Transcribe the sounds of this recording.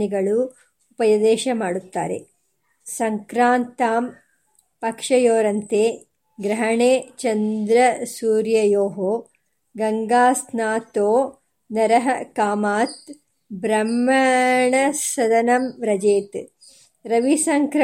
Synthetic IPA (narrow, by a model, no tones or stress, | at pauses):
niɡɐɭuː | pɐjɐd̪eːʃɐmaːɽut̪ːaːɾḛ | sɐŋkɾaːnt̪aːm | pɐkʂɐjoːɾɐnt̪eː | ɡɾɐɦɐɳeːt͡ʃɐnd̪ɾɐsuːɾjɐjoːɦoː | ɡɐŋɡaːsnaːt̪oː | nɐɾɐɦɐkaːmaːt̪ | bɾɐmːɐɳɐsɐd̪ɐnɐmɾɐd͡ʒeːt̪ | ɾɐʋisɐŋkɾ